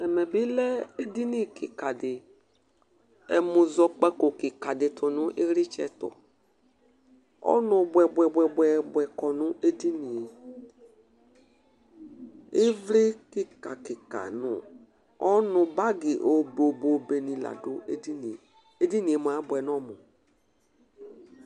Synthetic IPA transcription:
ɛ˨mɛ˨bɪ˦lɛ˦e˦di˦ni˦kʰɪ˨ka˨dɪ˨ | ɛ̰˨mʊ˨zɔ˨k͡pɛ˦ko˨kɪ˨ka˨dɪ˨tʰʊ˨nʊ˦ʔɪ˦ɣɾɪ˦t͡ʃɛ̰˦tɔ̰˨ | ɔ̰˦nʊ˨bʷɛ˨bʷɛ˨bʷɛ˨bwɛ˨bwɛ˨kɔ˨nʊ˦ʔe˦di˦ni˨e˨ | ɪ˦vlɪ˦kɪ˦ka̰˨kɪ˨ka̰˨nʊ̰˨ | ɔ˦nʊ˨ba˦ɡɪ˨ʔo˨bo˨bo˨be˨nĩ˨la̰˨dʊ˦e˦i˦n˨ | e˦di˦ni˨e˨m˨a˨˦bwɛ˨n˦ɔ˦mʊ˨

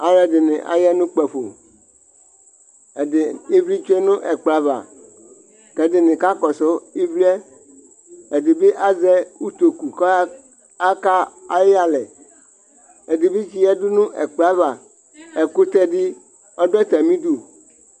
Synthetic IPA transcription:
a˨ɾɛ˨dɪ˨nɪ̰̃˨ʔa̰˨jɛ˦nũ˦k͡pɛ˨ɸo̰˨ | ɛ˨dɪ˨e˦vɾi˦t͡ʃe˦nʊ̃˦ʔɛ˨k͡pla˦va̰˨ | kɛ˨dɪ˨nɪ̃˨ka˦kɔ˨sɔ˦i˦vli˦ɛ˦ | e˨dɪ˨be˦ʔa˦zɛ˦u˦t̪o˨ku˨k | a˦ka˦a˦jɪ˦a˨lɛ˨ | e˨dɪ˨be˦d͡ʒi˦jɛ˦du˦nʊ̃˦ʔɛ̰˨k͡pla˦va˨ | ɛ˨ko˦t̪ɛ˦dɪ˦ | ɔ˦dɔ˦ɛ˦t̪ɛ˨mĩ˦du˨

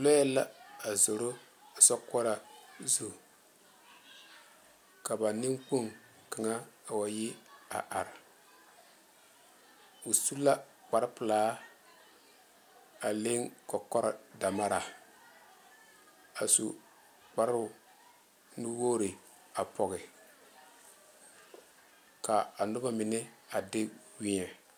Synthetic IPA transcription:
lɔ˦ɛ˦lːa̰˦a˨zo˨ɾo˦˨sɔ˦kɔ˦ɾa˨zu˨ | ka˨ba˨nɪ˦ŋk͡pu˦ŋ | kɪ˨ŋa˦a˨wa˨jɪ˦a̰˨ʔa˨ɾɪ˨ | u˨su˦la˦ | k͡pa˨ɾɪ˦pɨ˨laː˦ | a˨le˦ŋkɔ˨kɔ˦ɾɔ˨da˨ma˦ɾa˨ | a˨sṵ˨ | k͡pa˨ɾʊ˨ | nu˦wo˦ɾɪ˨ | a˨pʰɔ˨ɣɪ˨ | ka˨a˨nʊ˦ba˦mɪ˨nɪ˦a˨dɪ˦wi˦ɲɛ˨

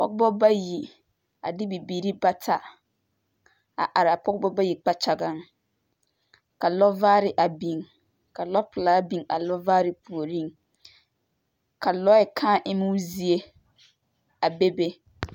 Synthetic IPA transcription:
pɔ̰˦kbɔ˦ba˦ji˨ | a˨dɪ˦bi˨biː˨ɾi˦ba˦tʰa˨ | a̰˨ʔa˨ɾɪ˨a˨pɔ˦kbɔ˦ba˦ji˨k͡pa˦t͡ʃa˨ɡa˦˨ŋ | ka˨lɔ˦vaː˦ɾɪ˨ʔa˨bi˨ŋ | ka˨lɔ˦pʊ˨laː˦bi˨ŋa̰˨lɔ˦vaː˦ɾɪ˦pu˨o˨ɾi˦˨ŋ | ka˨lɔ˦ɛ˨kʰãː˦ʔɪ˦mu˦zi˦e˦ | a˨be˦be˦

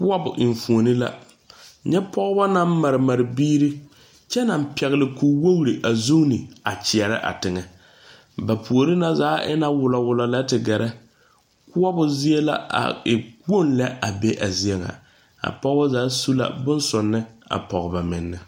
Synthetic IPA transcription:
kʊ˦a˦bʊ̰˨ʔɪ˨ɱ˨fu˨o˨nɪ˦la̰˦ | ɲɛ˦pɔ˦ɣba˦na˦m˦mːa˨ɾɪ˨ma˨ɾɪ˨biː˦ɾi˦ | t͡ʃɛ˦na˨m˦pɛ˨ɣlɪ˨ku˨wo˦ɣɾi˨ʔa˨zu˦ŋ˦ni˨a˨t͡ʃɪ˨ɛ˨ɾɪ̰˦ʔa̰˨tɪ˨ŋɛ˨ | ba˨pu˨o˨ɾi˦na˦zaː˨˦ʔɪ̰˦na˦wʊ˨lɔ˨wʊ˨lɔ˨la˦tɪ˨ɡɛ˨ɾɛ˦ | kʊ˦a˦bʊ˨zi˦e˦la̰˦a̰˨ɪ˨ko˦˨nlɛ˦a˨be˦ʔa˨zi˦ɛ˦ŋa̰˨ | a̰˨pɔ˦ɣba˦zaː˨˦su˦la̰˦bʊ˦nsʊ˨nːɪ˦a̰˨pɔ˨ɣba˨mɪ̰˨nːɪ˨

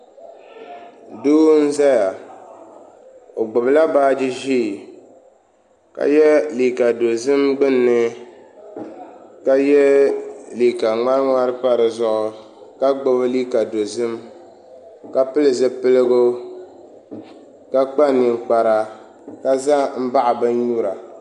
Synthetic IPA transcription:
duː˦n̩˦za˦ja˨ | o˨ɡ͡bʊ˨bla˦baː˦d͡ʒɪ˦ʒiː˦˨ | ka̰˨jɛ˦li˨ka˨do˨zɨ˦mɡ͡bɨ˦nːɨ˦ | ka˦jɛ˦li˨ka˨ŋa˦ɾŋa˦ɾɨ˦pa˦ɾɨ˨zʊ˦ʔʊ˨ | ka˦ɡ͡bʊ˦bɨ˦li˦ka˨do˨zɨ˦m | ka˦pɨ˦lɨ˨zɨ˦pɨ˦lɨ˦ɡʊ˦ | ka˦k͡pa˦nɪ˨k͡pa˨ɾa˨ | ka˦za˦m̩˦ba˦ʔa˨bɨ˦n̩˦ɲu˦ɾa˨

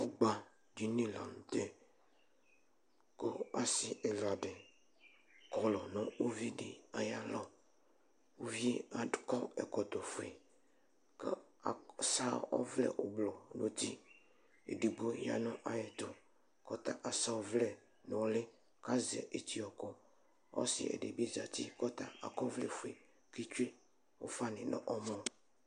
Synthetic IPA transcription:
o˦ɡ͡ba˦ | d͡ʒi˨nĩ˦la˨n˨t̪e˦ | ko˦a˨sɪ˦ʔe˨la˨ɖɪ˨ | kɔ˨lɔ˨nɔ̃˦wo˦vi˦ɖɪ˨a˨ja˦lɔ˦ | wo˦vi˦a˨dkɔ˦ɛ̰˨kɔ˨t̪o˨fo˨e˨ | kə̰˦˨ | sa˦ɔ̰˦vlɛ̰˨ʔo˨blɔ˨no˦t̪i˦ | ḛ˨ɖi˨ɡ͡bo˦ja̰˨nɔ̃˦ʔa˨jɛ˨t̪o˨ | kɔ˦t̪a˦˨ʔa˨sa˦wo˨vlɛ˨ | nɔ̃˨wlɪ˦ | ka˦zɛ̰˨ʔe˨t̪i˦ɔ˨kɔ˦ | ɔ̰˦sɪ̰˨ɛ̰˨ɖe˨bi˦za˨t̪i˦kɔ˦t̪a˦a̰˨kɔ˦vlɛ˨fʊ˨e˨ | ki˦t͡ʃu˦e˦ | wo̰˦fa˦nɪ̃˨nɔ̰̃˦ʔɔ˦mɔ̃˦

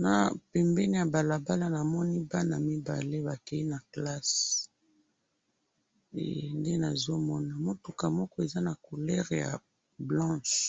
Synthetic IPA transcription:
na˨pɛ˨mbɛ˦ni˦ja˨ba˨la˨ba˦la˦na˨mɔ˦ni˦ba˦na˨mi˦ba̰˨le˦βa˨kɛ˨i˦na˨kla˦s | ḛ˨nde˦na˨zo˦mɔ˦na˨mo˦tu˨ka˨mɔ˦kɔ˦e˨za˦na˨ko˨lɛ˦ʁja̰˨ | blɑ̃˦ʃ

